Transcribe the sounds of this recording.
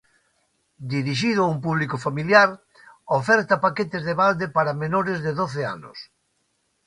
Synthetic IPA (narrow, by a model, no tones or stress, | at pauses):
d̪iɾiʃ̬ið̞ʊaumpuβlikofamiljaɾ | ofɛɾt̪apaket̪ezðeβald̪epaɾamenoɾezðeðoθea̰nʊ̰s